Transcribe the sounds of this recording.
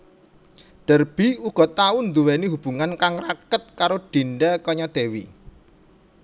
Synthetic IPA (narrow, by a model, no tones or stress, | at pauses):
ɖ̥ə̤rb̥iuɡ̥ɔ̤t̪aund̪uweniɦub̥ṳŋankaŋrakət̪̚kaɾoɖ̥i̤nɖɛkɔɲɔd̪̥e̤wḭ